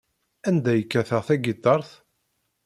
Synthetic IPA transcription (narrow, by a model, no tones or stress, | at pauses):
ænd̪æjəkːæθəʁθæɡit̪ːɑɾˤθ